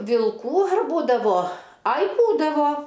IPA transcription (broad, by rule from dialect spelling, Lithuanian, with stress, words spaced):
ʋʲɪlˠˈkuː ɐr ˈbuːdɐʋoː ˈɐɪ ˈbuːdɐʋoː